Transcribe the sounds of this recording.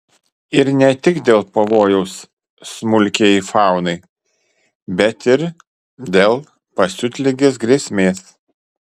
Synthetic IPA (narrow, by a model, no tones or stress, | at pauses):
ɪɾnʲɛt̪ʲɪkd̪ʲeːlˠpɐʋoːjɛʊsː | mʊlʲkʲeːɪfɑˑʊnɐɪ | bʲɛt̪ɪɾ | d̪ʲeːlˠ | pɐsʲʊt̪ʲlʲɪɡʲeːs̬ɡɾʲeːsʲmʲeːs